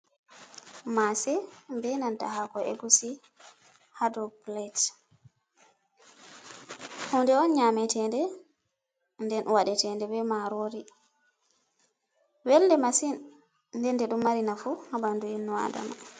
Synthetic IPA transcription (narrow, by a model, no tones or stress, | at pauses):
masɛmbɛnanta̰hakɔɛ̰ɡusi | hadɔplat | hɔndɛɔnɲamɛtɛndɛ | ndɛnwaɗɛtɛndɛbɛmaɾoɾi | wɛldɛmasin | ndɛndɛɗumːaɾinafuhabanduinːuwa̰da̰ma